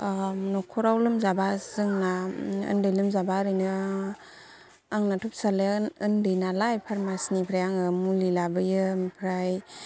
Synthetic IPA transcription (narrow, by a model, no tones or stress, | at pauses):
nɔkʰɔɾawlɯmzabazɯŋnaɯ̰ndɯjlɯmzabaɾɯjnɯ | aŋnatʰup̚saleɯndɯjnalajpʰaɾmasnipʰɾajaŋɯmulilabɯjɯpʰɾaj